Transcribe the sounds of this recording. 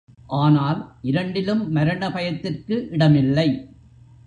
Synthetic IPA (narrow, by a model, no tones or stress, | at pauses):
ʔaːnaːlʔɪɾɐɳɖɪlɯmːɐɾɐɳɐpɐjɐt̪ːɪrkɯʔɪɽɐmɪlːɐɪ